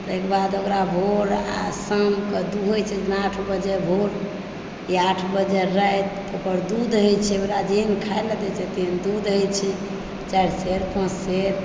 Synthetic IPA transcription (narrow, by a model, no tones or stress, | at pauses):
t̪ɔekbad̪okɾabʱoɾa̰səmkəd̪uɦojt͡ʃʰɛd͡ʒənaʈʰbəd͡ʒɛbʱoɾ | iaʈʰbəd͡ʒɛɾəɛt̪ | opəɾd̪ud̪ɦojt͡ʃʰɛokɾad͡ʒinkʰaeləd̪ɛt͡ʃʰɛt̪ind̪ud̪ɦojt͡ʃʰi | t͡ʃaɾseɾpãt͡ʃseɾ